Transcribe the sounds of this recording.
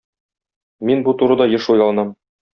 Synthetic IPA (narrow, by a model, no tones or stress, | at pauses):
minbut̪uɾɤd̪ɑjɤʃujlˠɑlˠɤ̆nɑm